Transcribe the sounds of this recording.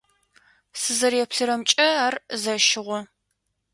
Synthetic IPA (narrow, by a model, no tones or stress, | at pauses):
sɨzɐɾjɛpɬɨɾɐmt͡ʃʼɐaːrzɐʃɪʁʷɔ